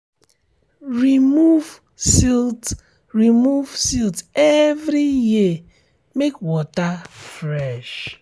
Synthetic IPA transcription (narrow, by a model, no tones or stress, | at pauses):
ɹimuv | sit | ɹimuvsiltɛvɾiji | mekwɔtafɾɛʃ